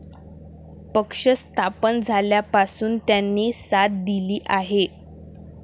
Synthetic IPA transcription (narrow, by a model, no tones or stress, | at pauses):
pəkʂəst̪ʰapənd͡zʱaljapasuːnt̪janːiːsat̪̚d̪iliːʔaɦe